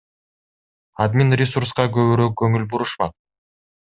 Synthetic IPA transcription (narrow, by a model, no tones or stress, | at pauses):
ad̪mʲinɾʲɪsuɾsqɑkɵβyɾøːk̚ɡɵŋylbuɾuʃmɑ̰q̚